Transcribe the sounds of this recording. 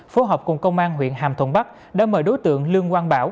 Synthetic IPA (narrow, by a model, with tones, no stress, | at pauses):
fo˨˦ɦɔː˨˩p̚kʊ˨˩ŋ͡mkə˧wŋ͡mʔaː˧nɦwḭ˧˨ənɦaː˨˩mt̪ʰwə˧˩nɓa˦˥k̚ | ɗa̰ː˧˥məː˧˩jɗo˨˦jt̪ɨ̰˧˨əŋli˧əŋkwaː˧nɓaː˧˩w